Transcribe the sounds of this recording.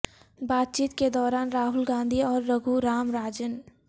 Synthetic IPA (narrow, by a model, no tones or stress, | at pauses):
baːt̪̚t͡ʃiːt̪ked̪ɔːɾaːnɾaːɦʊlɡãːnd̪ʱiɔːɾːəɡʱuɾaːmɾaːd͡ʒən